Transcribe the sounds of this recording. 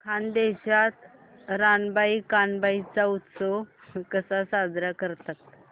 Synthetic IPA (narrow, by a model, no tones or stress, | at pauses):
kʰand̪eɕat̪ | ɾanbaikanbait͡saut̪sɔkəsasad̪ɾakəɾt̪at̪̚